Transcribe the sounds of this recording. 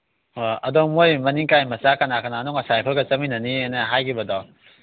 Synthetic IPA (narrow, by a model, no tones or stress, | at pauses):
oɐdɔmojmɐniŋkajmɐsakɐnakɐnanuŋɐsajpʰɯlɡɐt͡ʃɐminɐnieneɦajkʰibɐdɔ